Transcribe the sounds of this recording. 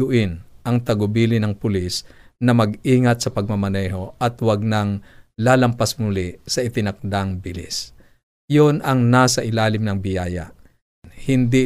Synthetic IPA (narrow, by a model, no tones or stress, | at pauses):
ʊʔɪnʔɐŋt̪ɐɡʊbiːlɪnɐŋpʊlisnɐmɐɡʔiːŋɐt̪̚sɐpɐɡ̚mɐmɐnɛɦo̞ʔɐt̪wɐɡ̚naŋlaːlɐmpɐsmʊlɪʔsɐʔɪt̪ɪnɐk̚d̪aŋbɪlḭs | jonɐŋnaːsɐʔɪlaːlɪmnɐŋbɪjaːja̰ʔ | hɪnd̪i